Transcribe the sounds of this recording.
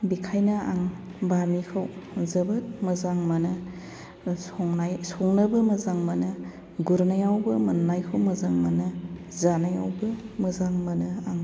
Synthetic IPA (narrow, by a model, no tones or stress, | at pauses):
bikʰajnɐa̰ŋbamikʰawzɐbɯt̚mɐzaŋmanɯ | sɔŋnajsɔŋnɐbɯmɐzaŋmɐnɐ | ɡuɾnajawbɯmɐnnajkʰɯwmɐzaŋmanɐ | zanaja̰wbɯmɐzaŋmɐnɯaŋ